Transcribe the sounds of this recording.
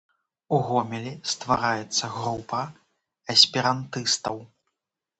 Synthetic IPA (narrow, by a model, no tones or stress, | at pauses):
uɣɔmʲɛlʲist̪vaɾajɛt̪sːɐɣɾupɐ | ɐsʲpʲiɾant̪ɨst̪ɐw